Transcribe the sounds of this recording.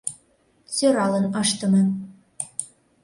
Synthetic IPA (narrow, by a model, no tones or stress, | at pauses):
t͡søɾɑlɤ̆nɑʃt̪ə̆mɤ̆